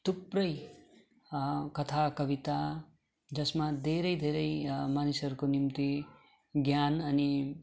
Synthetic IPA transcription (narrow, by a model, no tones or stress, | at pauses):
t̪uprʌj | kʌt̪ʰakʌbit̪a | d͡zʌsmad̪ʱeɾʌjd̪ʱeɾʌjmanisʌɾukonimt̪i | ɡjanʌni